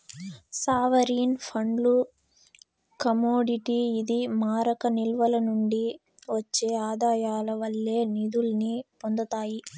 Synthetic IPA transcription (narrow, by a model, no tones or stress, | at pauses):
saːʋɐɾiːnpʰɐɳɖlu | kɐmoːɖiʈiːd̪imaːɾɐkɐnilʋɐlɐnuɳɖi | ʋɐt͡ʃːeːaːd̪aːjaːlɐʋɐlːe̞ːnid̪ulɐnipond̪ɐt̪aːji